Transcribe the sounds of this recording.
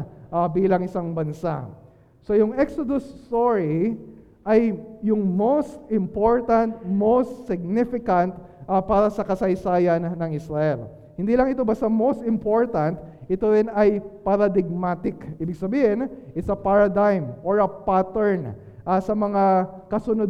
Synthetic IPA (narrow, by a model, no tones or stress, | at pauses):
ʔabiːlɐŋɪsaŋbɐnsa̰ | so̞jʊŋʔɛksod̪ʊst̪oɹi | ʔɐjjʊŋmowst̪ɪmpo̞ɹt̪ɐnt̪̚mowst̪sɪɡ̚nɪfɪkɐnt̪ | ʔapaːɾɐsɐkɐsɐjsaːjɐnːɐŋɪsɾɐʔɛl | hɪnd̪iːlɐŋɪt̪obɐst̪amowst̪ɪmpo̞ɹt̪ɐnt̪ʔɪt̪oɾɪnɐjpɐɾɐd̪ɪɡ̚mat̪ɪkiːbɪɡsɐbiːhɪnʔɪsɐpaɹɐd̪ajmʔoɹɐpat̪ɛɹn | ʔɐsɐmɐŋakɐsʊnod